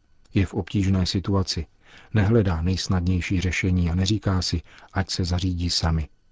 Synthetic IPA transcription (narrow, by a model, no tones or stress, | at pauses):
jɛfʔo̞pciːʒnɛːsɪt̪uat͡sɪ | nɛɦlɛdaːnɛjsnadɲɛjʃiːr̝ɛʃɛɲiːanɛriːkaːsɪʔacsɛzariːɟiːsamɪ